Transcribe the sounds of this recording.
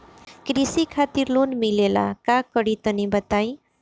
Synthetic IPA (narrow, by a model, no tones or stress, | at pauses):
kɾisikʰat̪iɾlonmilela̰kakəɽit̪ənibət̪aj̃